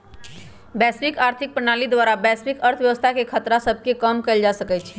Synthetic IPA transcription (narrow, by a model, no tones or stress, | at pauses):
bɛspikaːɾt̪ʰik̚pɾənalid̪waɾabɛspikəɾt̪ʰʋjəʋəst̪ʰakekʰət̪ɾasəbʱkekəmkəɪld͡ʒasəkɛt͡ʃʰɛ